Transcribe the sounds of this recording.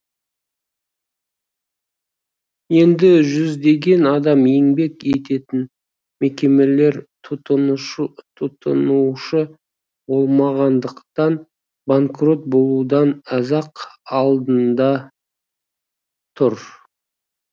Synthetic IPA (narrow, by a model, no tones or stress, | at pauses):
je̞nd̪ɪʒʏzd̪e̞ɡʲe̞nɑd̪ɑmjeŋbe̞ke̞t̪e̞t̪ɪn | me̞kʲe̞me̞le̞ɾʰ | ʊ | t̪ʰʊt̪ə̰nuʃə | bo̞lˠmɑʁɑnd̪əqt̪ɑn | baŋkro̞t̪̚bo̞lˠud̪ɑnɑzɑqɑlˠd̪ənd̪ɑ | t̪ʰʊɾ